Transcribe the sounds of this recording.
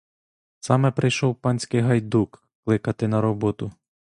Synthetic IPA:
sɑmɛpɾɪjʃɔwpɑnʲsʲkɪjɦɐjd̪uk | klˠɪkɐt̪ɪnɐɾɔbɔt̪ʊ

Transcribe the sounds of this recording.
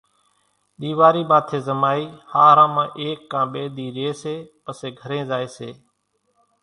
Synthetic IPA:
ɗ̪iːʋaːɾiːmaːt̪ʰeːzəmaːiːhaːɾãːmãːʔeːkːãːɓeːɗ̪iːɾɪeːseːpəseːɡʱəɾẽːzaːeːseː

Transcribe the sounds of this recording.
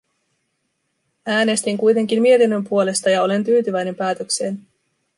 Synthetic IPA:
æːne̞st̪iŋkujt̪e̞ŋk̟immie̞t̪inːø̞mpuo̞le̞st̪ɑjɑo̞le̞nt̪yːt̪yʋæjne̞mpæːt̪ø̞kse̞ːn

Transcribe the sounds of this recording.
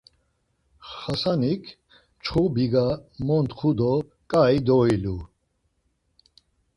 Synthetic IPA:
χasanikʰ | t͡ʃʰχubiɡamɔnt̪χʰud̪ɔ | kʼaid̪ɔilu

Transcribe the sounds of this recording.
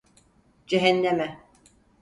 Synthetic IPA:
d͡ʒɛɦɛnːɛmɛ

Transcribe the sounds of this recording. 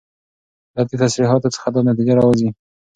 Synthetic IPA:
d̪ɑd̪et̪asɾiɦɑt̪ot͡sə̥xad̪ɑnat̪id͡ʒaɾɑwazi

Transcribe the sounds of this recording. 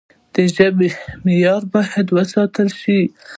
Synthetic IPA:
d̪̥əʒəbemɪjɑɾbɑjad̪wəsɑt̪əlʃi

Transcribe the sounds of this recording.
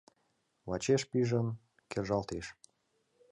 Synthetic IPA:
lɑt͡ɕeʃpiʒə̆n | kerʒɑlt̪eʃ

